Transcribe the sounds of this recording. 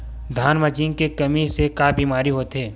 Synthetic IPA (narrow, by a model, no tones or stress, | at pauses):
d̪ʱaːnmət͡ʃiːnkekɐmisekaːbiːmaːɾiɦoːt̪ɦeː